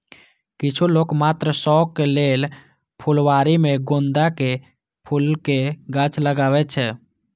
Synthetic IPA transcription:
kɪt͡ʃʰuloːkmaːt̪ɾəsɔːkːeleːl | pʰʊlwaːɾimẽɡõnd̪ake | pʰulkeɡət͡ʃʰləɡaːʋɛt͡ʃʰɛː

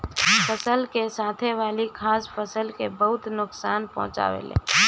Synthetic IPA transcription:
pʰəsəlkesaːt̪ʰeʋaːlikʰaːspʰəsəlkebəɦʊt̪nʊksaːnpə̰̃ɦʊ̃t͡ʃa̰ːʋḛlḛ̃ː

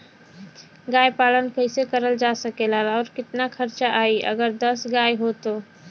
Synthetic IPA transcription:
ɡaːjpaːlənkəɪsekəɾəld͡ʒaːsəkelaːlɔːɾkɪt̪nakʰɐɾt͡ʃaʔaːiʔɐ̰ɡəɾd̪ɐsɡaːjɦot̪oː

